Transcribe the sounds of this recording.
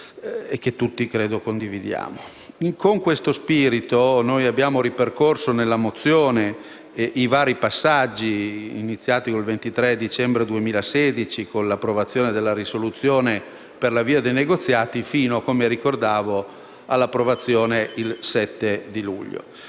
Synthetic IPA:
ek̟ːet̪ːut̪ːikɾeːd̪okond̪ivid̪ja̰ːmo | iŋkoŋkwest̪ospiːɾit̪onojabːjaːmoɾiperkorsonelːamot̪sːjoːne | ivaːɾipasːad͡ʒːiːnit̪sːjaːt̪ikolvent̪it̪ɾɛd̪it͡ʃɛmbɾed̪uemiːlaseːd̪it͡ʃikonlapːɾovat̪sːjoːned̪elːaɾisolut̪sːjoːne | perlaviːad̪ejneɡot̪sːjaːt̪ifiːnoakomeɾikord̪aːvo | alːapːɾovat̪sːjoːneilsɛt̪ːed̪ilṵʎːo̰

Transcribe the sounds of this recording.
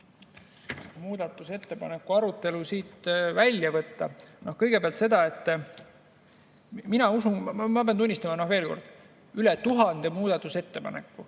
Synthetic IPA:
muːd̪̥ɑt̪ˑːuse̞t̪ːe̞pɑ̰ne̞kːˑuɑɾut̪ːˑe̞lusiːt̪vælʲjɑvɤt̪ːɑnohkɤjɡ̥e̞peɑlt̪se̞d̪̥ɑe̞t̪ː | minɑusunmɑbeɑnunʲːist̪ɑmɑnohve̞ːlko̞̰rd̪̥ | ylet̪uɦɑnd̪̥e̞muːd̪̥ɑt̪ːˑuse̞t̪ːe̞pɑ̰nekːu

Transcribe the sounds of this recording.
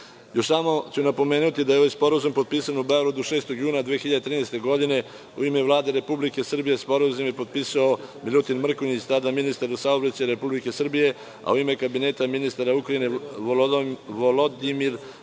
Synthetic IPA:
joʃst̪amo̞t͡ɕunapo̞me̞ːnut̪id̪ajeo̞ʋajspo̞ɾazumpo̞d̪̚piːsanubeoɡɾad̪uʃeːst̪o̞ɡjuːnad̪ʋeːxiʎad̪et̪ɾiːnɛst̪e̞ɡo̞d̪ine̞ | ṵimeʋlˠaːd̪e̞ɾe̞publike̞sr̩bije̞spo̞ɾazumjepo̞d̪̚piːsaomilʲut̪inmr̩koɲit͡ɕt̪ad̪aminist̪aɾzasaobɾat͡ɕaɾe̞publike̞sr̩bije̞ | a̰uime̞kabine̞ːt̪aminist̪aɾaukɾaine̞oloʋolod̪imiɾ

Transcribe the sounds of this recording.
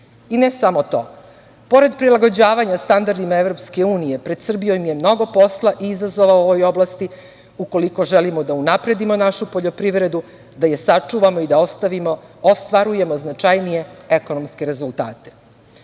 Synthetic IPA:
inesamo̞t̪o̞̰ː | po̞ɾe̞d̪pɾilˠaɡo̞d͡ʑaːʋaɲast̪and̪aɾd̪imaevɾo̞pske̞uːnije̞pɾed̪sr̩bijo̞jmje̞mno̞ɡo̞po̞slˠaʔiizazo̞ʋaooʋo̞jo̞blˠast̪i | uko̞liko̞ʒelimod̪aunapɾe̞d̪imo̞naʃupoʎo̞pɾiʋɾe̞d̪u | d̪ajesat͡ʂuːʋamoid̪at̪imost̪ʋaɾuje̞mo̞znat͡ʃajnije̞eko̞no̞mske̞ɾe̞zult̪a̰ːt̪e̥

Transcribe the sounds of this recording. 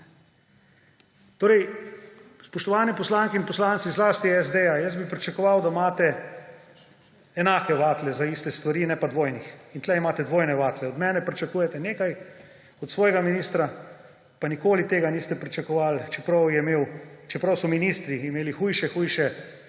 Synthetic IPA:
t̪oːɾɛj | spɔʃt̪ɔʋaːnipɔslaːŋkɛinpɔslaːnsizlaːst̪iɛzd̪ejajəsbipɾit͡ʃɛkɔʋawd̪amaːt̪ɛ | ɛnaːkɛʋaːt̪lɛzaist̪ɛst̪ʋaɾiːnɛpad̪ʋoːjnixint̪lɛimaːt̪ɛd̪ʋoːjnɛʋaːt̪lɛɔd̪mɛːnɛpɾit͡ʃakuːjɛt̪ɛneːkaj | ɔt̪sʋɔːjɛɡaminiːst̪ɾa | panikoːlit̪eːɡaniːst̪ɛpɾit͡ʃɛkɔʋaːlt͡ʃɛpɾɐwjɛmeːwt͡ʃɛpɾɐwsɔminiːst̪ɾiːmeːlixuːjʃɛxuːjʃɛ

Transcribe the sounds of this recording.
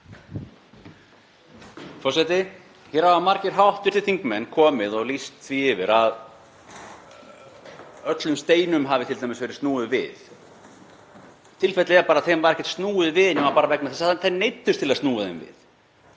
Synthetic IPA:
fɔsɛjt̪ɪ | çɛɾavamaɾcɪɾ̥ɦawht̪vɪ̥t̪ɪ̥θiŋkmɛnːkʰɔːmɪðɔɣlist̪θviɪvɪɾað | œt̪lʏmst̪eːjnʏmɦavɪt̪ʰɪlt̪ajmɪsvɛːɾɪ̥st̪nuːɪðvɪ̰ð | t̪ʰɪlfɛjt̪lɪɛɾpaɾaðθemvaɾɛhcːɛ̥t̪st̪nuːɪðvɪðnɛvapaːɾavɛknaθɛsaθenejt̪ːʏst̪ʰɪlaðst̪nuːaðɪnvɪ̰θ

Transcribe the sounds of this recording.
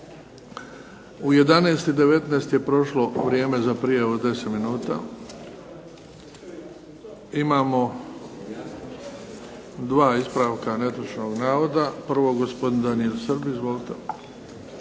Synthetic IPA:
uje̞d̪aneːst̪id̪e̞ʋe̞t̪nest̪je̞pɾo̞ʃlo̞ʋɾʲje̞ːme̞zapɾijaʋud̪e̞set̪minuːt̪a̰ | imaːmo̞ | d̪ʋaːispɾaʋkanet̪ɾoʃno̞ɡnaːʋo̞d̪apr̩ʋo̞ɡospod̪ind̪anielsərbizʋo̞lit̪e

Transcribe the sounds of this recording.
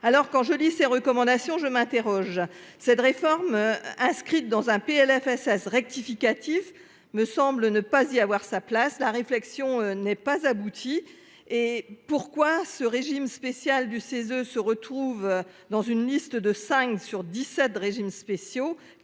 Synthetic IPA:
alɔʁkɑ̃ʒəliseʁəkɔmɑ̃d̪asjɔ̃ʒəmɛ̃t̪eʁɔʒsɛt̪ʁefɔʁmɛ̃skχit̪̚d̪ɑ̃zɛ̃peɛlɛfɛsɛsʁɛk̚t̪ifikat̪if | məsɑ̃blənəpaziavwaʁsaplaslaʁeflɛksjɔ̃nɛpazabut̪ʰi | epuʁkwasəʁeʒimspesjald̪ysezøsəʁət̪χuv | d̪ɑ̃zynlist̪d̪əsɛ̃ksyʁd̪isɛt̪ʁeʒimspesjo

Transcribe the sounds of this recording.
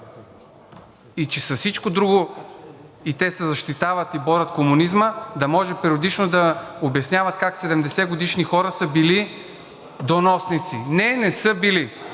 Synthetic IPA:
it͡ʃɛsɐfsit͡ʃkod̪ɾuɡo | it̪ɛsɛzɐʃt̪it̪avət̪ibɔɾʲɐt̪komunizməd̪ɐmɔʒɛpɾiod̪it͡ʃnod̪ɐobɐsnʲjavɐt̪kaksɛd̪ɛmd̪ɛsɛɡod̪iʃnixɔɾəsəbili | d̪onɔsnit̪sinɛnɛsɤbili

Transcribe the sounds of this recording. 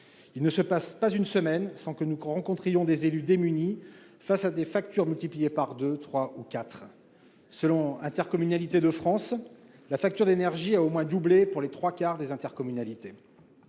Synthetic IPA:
ilnəsəpaspazynsəmɛnsɑ̃kənuʁɑ̃kɔ̃t̪χijɔ̃d̪ezelyd̪emyni | fasad̪efak̚t̪yʁmylt̪iplijepaʁd̪øt̪χwaukat̪χ | səlɔ̃ɛ̃t̪ɛʁkɔmynalit̪ed̪əfχɑ̃s | lafak̚t̪yʁd̪enɛʁʒiaomwɛ̃d̪ublepuʁlet̪χwakaʁd̪ezɛ̃t̪ɛʁkɔmynalit̪e

